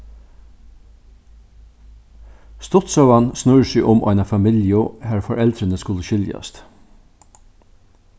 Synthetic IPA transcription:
st̪ɔt̪sɑʉɑnsnʉɹəʃiːʔʊmʔɑɪnɑfɑmɪljoːhæːɹfɔɾʔɛld̪ɾənəskʉləʃʏljɑ̰st̪

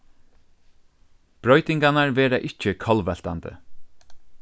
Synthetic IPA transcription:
b̥ɾɔjt̪ɪŋkanaɹʋɛːɾaʔɪht͡ʃːɪkʰɔlʋɛl̥t̪ant̪ə̰

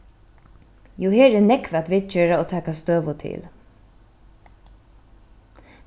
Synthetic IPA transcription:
juːheːɾɛːnɛkʋat̪ʋɪːd̪̚t͡ʃøːɹaoːt̪ʰæːkast̪øːʋʊt̪ʰɪ̰l

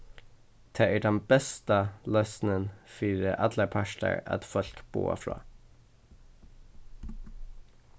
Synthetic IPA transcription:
t̪ʰeːʔæːɖɛnbɛst̪əlœsn̩ənfyːɾəʔɑd̪ləpʰæʃʈə̰ɹʔɑ̰t̪fɔlkb̥o̰ːə̰fɹɑ̰ː

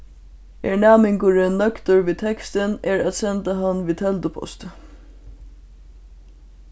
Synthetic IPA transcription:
eɹɳæːmɪŋkʊɹənːœkt̪əɹʋiːt̪ʰɛkst̪ənɛːɹæt̪sɛnt̪aɦanːʋiːt̪ʰɛlt̪əpʰɔ̰st̪

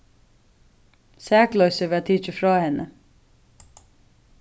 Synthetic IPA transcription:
sæːklœʏsəʋeːɑt̪ʰiːt͡ʃəfɾɑːhɛnə

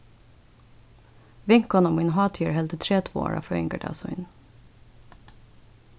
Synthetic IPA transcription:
ʋɪŋkɔnɔmɪnɦɑːt̪ʰiəɹɦɛld̪ət̪ʰɾeːt̪ʰvuːo̰ːɹa̰fœɪ̰ŋɡəɖɑ̰sʊɪ̰n

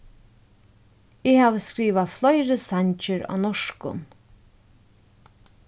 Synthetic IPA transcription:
ɪhaːʋəskɹiːʋaflˠɔjɾəsaɲt͡ʃɪɹa̰ːwnɔʂkʊ̰n

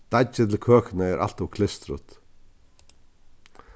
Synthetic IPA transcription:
d̪̥ad͡ʒɪt̪ʰɪlkʰøːkɪnəɛɾʔa̰l̥t̪ɔkʰlɪst̪ɾʊ̰t̪

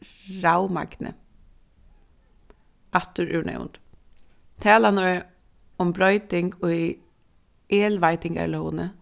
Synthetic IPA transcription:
ɾawma̰ɡnə̰ | aht̪ʊɾʔʉ̰ːɳɛ̰wʊ̰nt̪ | t̪ʰɛːlanɔ | ʊmbɾɔʏt̪ɪŋkʊ | eːlʋajt̪ɪŋka̰ɹlownə

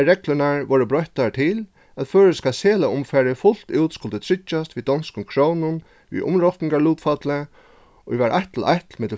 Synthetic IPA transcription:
ɾɛklənaɹʋɔːɹəbɾɔjht̪at̪ʰɪl | æt̪føːɹəskaseːlaʊmfæːɾɪfʊl̥t̪uwt̪skʊlt̪ət̪ʰɾɪt͡ʃːast̪vʋid̪ɔnskʊmkʰɹownʊn | ʋḭʔʊ̰mɹɔt̪nɪŋkaɹluːt̪fat̪lə | ɔʋæɾʔaht̪l̩ʔa̰jt̪lmɪt̪l̩

